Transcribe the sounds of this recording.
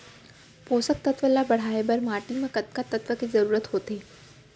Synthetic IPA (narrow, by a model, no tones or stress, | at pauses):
posək̚t̪ət̪ʋəlabəɽ̤aebəɾmaʈiməkət̪̚kat̪ət̪ʋəked͡zəɾuːɾət̪ɦot̪e